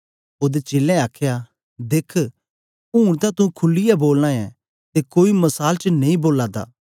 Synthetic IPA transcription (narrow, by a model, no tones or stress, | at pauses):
ʊd̪et͡ʃeːlːɛ̃aːkʰja | d̪eːkʰ | ũːɽ̃t̪ãt̪ũkʰʊlːɪjɛboːlnãɛ̰ | t̪ekoːimɐsaːlt͡ʃənɐ̃ĩboːlaːd̪a̰ː